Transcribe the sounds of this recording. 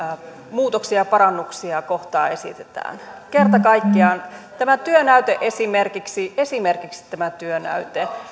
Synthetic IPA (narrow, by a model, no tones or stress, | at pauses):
muːt̪oksiɑpɑɾɑnːuksiɑkoht̪ɑ̰ːesḭt̪et̪æ̰ːnkert̪ɑkɑikːiɑːnt̪æmæt̪yønæyt̪eʔesimerkiksiesimerkiksi̥t̪ːæmæt̪yønæ̰yt̪e